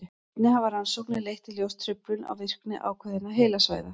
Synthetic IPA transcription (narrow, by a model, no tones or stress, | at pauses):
t̪nɪɦavaɾansowhknɪlejht̪ʰːɪljowst̪ʰɾʏplʏna̰wvɪr̥knɪ̰ʔa̰ːwkʰvœðɪnaɦejlasva̰ːjða